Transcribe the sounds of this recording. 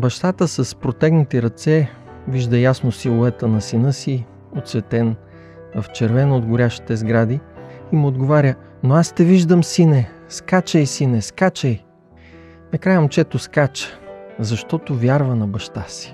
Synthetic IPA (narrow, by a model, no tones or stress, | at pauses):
bɐʃt̪at̪əsɐspɾot̪ɛɡnət̪iɾɐt̪sɛ | viʒd̪əjasnosilˠovɛt̪ənɐsinɤsi | ot̪svɛt̪ɛn | vɐft͡ʃɛɾvɛnod̪ɡʊɾʲaʃi̥t̪ɛzɡɾad̪iimod̪ɡovaɾʲə | noast̪ɛviʒd̪əmsinɛ | skat͡ʃəjsinɛskat͡ʃəj | nɐkɾajɐmt͡ʃɛt̪oskat͡ʃə̥zɐʃt̪ɔt̪ovʲjaɾvənɐbɐʃt̪asi̥